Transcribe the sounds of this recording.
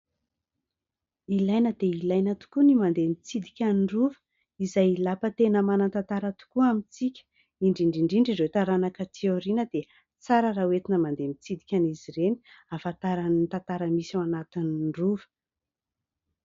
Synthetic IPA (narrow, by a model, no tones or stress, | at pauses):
ilajnəd̪eilajnat̪u̥kunimand̪emit͡sid̪ikʲanruvə̥ | izajlapət̪enəmanant̪at̪aɾat̪u̥kuamit͡sikʲə̥ | iɳɖ͡ʐiɳɖ͡ʐiɳɖ͡ʐiɳɖ͡ʐiɾewt̪aɾanakət̪ʰioɾinəd̪e | t͡saɾərawet̪inəmand̪emit͡sid̪ikʲaniziɾeni̥afat̪aɾanint̪at̪aɾəmisaanat̪iniruvə̥